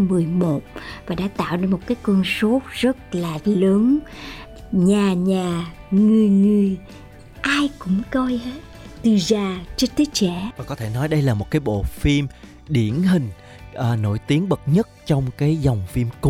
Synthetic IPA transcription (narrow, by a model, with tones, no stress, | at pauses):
mɨ˨˩əjmo˨˩t̚vaː˨˩ɗa̰ː˧˥t̪a̰ː˧˨wɗe˧nmo˨˩t̚kaː˨˦jkɔ˧nso˨˦˥z̥ə˦˥t̚laː˨˩ləː˨˦n | ɲaː˨˩ɲaː˨˩ | ŋɨ˨˩əjŋɨ˨˩əj | ʔaː˧jkʊ̰˧˥ŋ͡mkɔ˧jhə˧˨˦ | t̪ɨ˨˩zaː˨˩t͡ɕə˧t̪ʰe˨˦t͡ɕɛ˧˩˨vaː˨˩kɔ˨˦t̪ʰe˧˩nɔ˨˦jɗə˧jlaː˨˩mo˨˩t̚kaː˨˦jɓo̰˧˨fi˧m | ɗi˧˩˨ənɦï˨˩ŋ̟ | ʔːno̰˧˩jt̪i˨˦əŋɓə˨˩t̚ɲə˦˥t̚t͡ɕɔ˧wŋ͡mkaː˨˦jzɔ˨˩wŋ͡mfi˧mkʊ˨˧˩ŋ͡m